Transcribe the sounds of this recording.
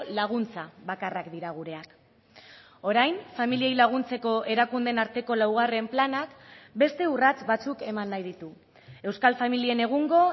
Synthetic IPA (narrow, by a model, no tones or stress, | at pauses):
laɣ̞unt͡saβakarakd̪iɾaɣ̞uɾe̞ak | o̞ɾajnfamilie̞jlaɣ̞unt͡se̞ko̞ʔe̞ɾakund̪e̞naɾt̪e̞ko̞lawɣ̞are̞mplanakbe̞st̪e̞urat͡sβat͡suke̞manːajðit̪u | e̞wskalfamilie̞ne̞ɣ̞uŋɡo̞